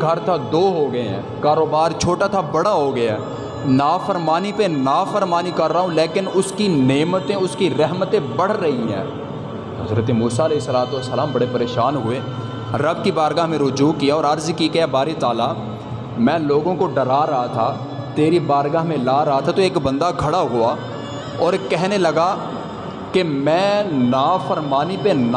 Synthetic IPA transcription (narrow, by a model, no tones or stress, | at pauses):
ɡʱɐɾt̪ʰad̪oːɦoɡɐẽɦɛ̰̃ːkaːɾoːbaːɾt͡ʃʰoːʈat̪ʰabɐɽaɦoɡɐjaː | naːfəɾmaːnipenaːfəɾmaːnikɐɾːaːɦũleːkɪnʊskineːmət̪ẽʊskiɾɛɦmət̪ẽbɐɽ̤ɾɐɦiɦɛ̰̃ː | ɦɐ̰zɾət̪emuːsaɪleːɦɪsːəlaːt̪uəsːəlaːmbɐɽepɐɾeːʃaːnɦʊeː | ɾɐb̚kibaːɾɡaɦmẽɾʊd͡ʒuːkijaɔːɾɐɾzkiɡɐjabaːɾet̪aːla | mɛ̃ːloːɡõkoɖɐɾaːɾɐɦat̪ʰa | t̪eːɾibaːɾɡaɦmẽlaːɾɐɦat̪ʰat̪oeːkbɐ̃nd̪aɡʱɐɽaɦʊa | ɔːɾkɛɦnelɐɡa | kemɛ̃ːnaːfəɾmaːnipen